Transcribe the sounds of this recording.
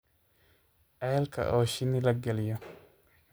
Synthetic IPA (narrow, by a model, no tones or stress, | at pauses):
ʔɛlkʰɐ̰ʔɔːʃɪnɪlɐɡɛlɪjɔ